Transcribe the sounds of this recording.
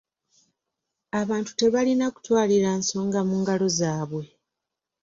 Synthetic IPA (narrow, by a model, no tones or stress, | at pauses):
aβaːntu̥te̞βalinaku̥twaːliɾanso̞ːŋɡamuːŋɡalo̞zaːβwe̞